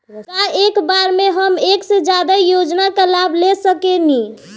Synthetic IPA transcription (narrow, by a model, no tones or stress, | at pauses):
kaekbaɾmeɦəmeksed͡ʒad̪ajod͡ʒnakalablesəkeni